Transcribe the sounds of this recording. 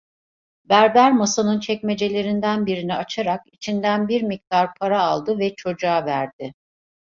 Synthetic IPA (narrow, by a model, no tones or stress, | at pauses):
bæɾb̪æɾmasanɯnt͡ʃʰɛcme̞d͡ʒe̞lʲe̞ɾind̪ænbiɾiniat͡ʃʰaɾakit͡ʃʰind̪ænbiɾmik̚t̪aɾpʰaɾaːlˠd̪ɯvɛt͡ʃʰo̞d͡ʒaːvæɾd̪̚ɪ